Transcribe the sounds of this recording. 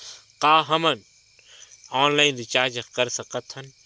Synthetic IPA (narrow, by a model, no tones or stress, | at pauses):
qaːɦɐmɐn | oːnlaːinɾit͡ʃaːd͡ʒɐkɐɾsɐqɐt̪ʰːɐn